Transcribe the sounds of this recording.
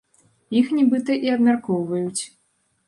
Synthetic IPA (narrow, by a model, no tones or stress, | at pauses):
jixnʲibɨt̪ɐʔiɐb̪mʲarkɔwvɐjut͡sʲ